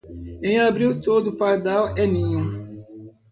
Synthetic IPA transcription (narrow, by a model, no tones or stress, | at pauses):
ẽj̃abɾiwt̪od̪ʊpaɾd̪awɛnĩɲu